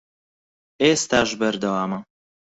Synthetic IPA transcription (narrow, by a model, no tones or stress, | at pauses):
eːst̪aːʒbɐɾd̪ɐwaːmɐ